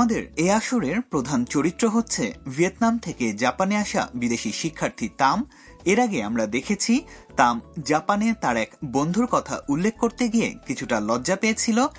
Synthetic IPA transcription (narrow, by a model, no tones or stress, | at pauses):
amad̪eɾeaʃoɾeɾpɾod̪ʱant͡ɕoɾit̪ːɾoɦotːɕʰevʱiet̪namt̪ʰeked͡ʑapaneaʃa̰bid̪eʃiʃikʰːaɾt̪ʰit̪am | eɾaɡeamɾad̪ekʰet͡ɕʰit̪amd͡ʑapanet̪aɾɛkbond̪ʱuɾkɔt̪ʰa̰ʔulːek̚ʰːkoɾt̪eɡijḛkit͡ɕʰuʈalɔdːʑapeet͡ɕʰilo